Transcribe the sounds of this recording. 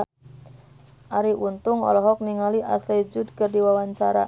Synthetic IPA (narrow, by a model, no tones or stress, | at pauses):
aɾiʔunt̪ʊŋɔ̰lɔɦɔk̚niŋaliʔa̰sled͡ʒud̚kərdiwawaɲt͡ʃaɾa̰